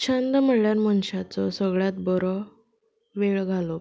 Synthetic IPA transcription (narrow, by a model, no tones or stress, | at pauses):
t͡ɕʰãnd̪m̤əɽɭjaɾmənɕat͡sɔsəɡɭjat̪̚bɔɾɔ | ʋeɭɡʱalo